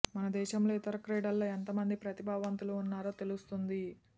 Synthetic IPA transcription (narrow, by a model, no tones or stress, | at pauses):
mɐnɐd̪ɛːʃɐmlo̞ːit̪ɐɾɐkɾeːɽɐlːoːent̪ɐmɐnd̪ipɾɐt̪ibʱaːʋɐnt̪uluːnːaːɾoːt̪e̞lust̪und̪i